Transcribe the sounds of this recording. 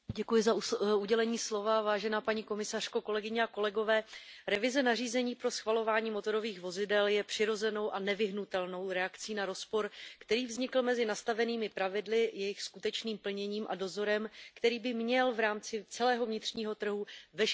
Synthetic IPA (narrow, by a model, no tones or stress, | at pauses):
ɟɛkujɪzauɟɛlɛɲiːslo̞vavaːʒɛnaːpaɲiko̞mɪsar̥ko̞ko̞lɛɡɪɲɛako̞lɛɡo̞vɛːɾɛvɪzɛnariːzɛɲiːpɾo̞sxvalo̞vaːɲiːmo̞t̪o̞ɾo̞viːxvo̞zɪdɛljɛpr̝̥ɪɾo̞zɛno̞wʔanɛvɪɦnut̪ɛlno̞wɾɛakt͡siːnaɾo̞spo̞ɾkt̪ɛɾiːvzɲɪkl̩mɛzɪnast̪avɛniːmɪpɾavɪdlɪjɛjɪxskut̪ɛt͡ʃniːmpl̩ɲɛɲiːmʔa̰do̞zo̞ɾɛmkt̪ɛɾiːbɪmɲɛlvɾaːmt͡sɪt͡sɛlɛːɦo̞vɲɪt̪r̝̥ɲiːɦo̞t̪r̩ɦuvɛʃ